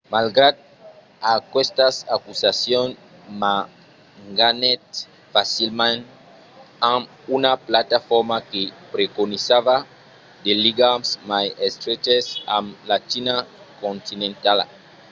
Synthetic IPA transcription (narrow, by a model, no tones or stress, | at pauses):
malɡɾad̪̚ | akwest̪asakusasjõn | ma | ŋɡanet̪ | fasilmãn | ã | unaplat̪afɔɾmakepɾekonisava | d̪eliɡamsmajest̪ɾet͡ʃesã̰mlat͡ʃina | kõnt̪inẽnt̪ala̰